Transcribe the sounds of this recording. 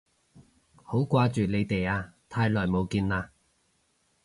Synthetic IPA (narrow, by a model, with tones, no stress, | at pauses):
ho˨˥wkʷaː˧t͡ʃyː˨le˨˧jt̪e˨jaː˧t̪ʰaː˧jlɔː˨˩jmo˨˧wkiː˧nlaː˧